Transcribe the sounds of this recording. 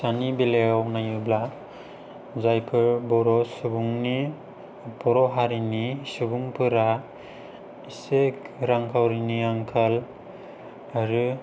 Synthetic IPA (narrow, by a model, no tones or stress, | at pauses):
sanibileawnajɯbla | zajpʰɯɾbɔɾɔsubuŋni | bɔɾɔɦaɾinisubuŋpʰɯɾa | isekɾaŋkʰawɾiniaŋkʰal | aɾɯ